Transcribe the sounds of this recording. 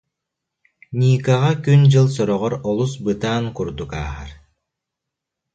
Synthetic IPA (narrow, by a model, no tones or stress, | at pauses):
nʲiːkaʁakynd͡ʑɯlˠsɔɾɔʁɔɾɔlˠusbɯt̪aːnkuɾd̪uka̰ːɦa̰ɾ